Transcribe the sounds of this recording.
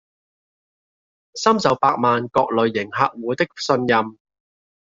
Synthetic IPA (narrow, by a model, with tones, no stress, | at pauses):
sɐ˥msɐ˨˥wpaː˧k̚maː˨nkɔː˧k̚lɵ˨ɥːɪ˨˩ŋɦa̰ː˧k̚wuː˨˥t̪ɪ˥k̚sɵ˧njɐ˧m